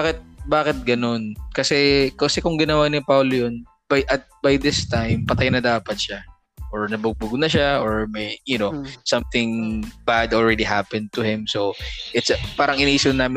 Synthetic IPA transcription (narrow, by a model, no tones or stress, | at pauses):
bakɪt̪̚baːkɪt̪̚ɡɐno̞nkɐsɛkosɛkʊŋɡɪnɐwanɪpawlojon | b̥ajʔɐt̪̚bajd̪ɪst̪ajmpɐt̪ɐjnɐd̪aːpɐt̪̚ʃa | ʔoɹnɐbʊɡ̚bʊɡnɐʃaoɹmɛjjʊnosɐmθɪŋbad̪ɔlɹɛd̪iɦapɛ̃nd̪̚t̪ʊhɪmsoʔɪt̪spaːɾɐŋʔɪnaʔiːsɪnnaːmɪ